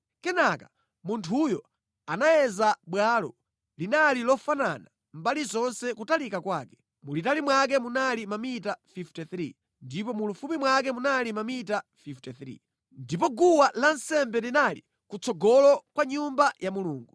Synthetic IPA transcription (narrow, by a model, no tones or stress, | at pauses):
kɛnaka | muntʰujɔ | anajɛzaɓwalɔ | linalilɔfanana | mbalizɔnsɛkutalikakwaːkɛ̥ | mulitalimwak̬ɛmunalimamitafiftɛθɾḭ | ndipɔmulufumimwak̬ɛmunalimamitafiftɛθɾḭ | ndipɔɡuwalansɛmbɛlinalḭ | kut͡sɔɡɔlɔkwaɲumbajʔamuluːŋɡu